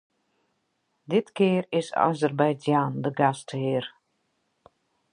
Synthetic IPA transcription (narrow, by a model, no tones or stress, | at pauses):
dɪtkeːrɪsa̰zərbɛjd͡zjaːndəɡastʰəɦeːr